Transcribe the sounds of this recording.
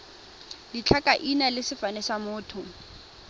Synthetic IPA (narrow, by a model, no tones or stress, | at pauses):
dit͡ɬʰakʼaʔinalɪsɪfanɛsamʊːtʰʊ